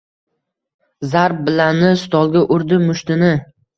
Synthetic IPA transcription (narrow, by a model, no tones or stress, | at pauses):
zaɾp̚bɪlanɪst̪ʰɒlˠɡʲaʔʊɾd̪ɪmʊʃt̪ɪnɪ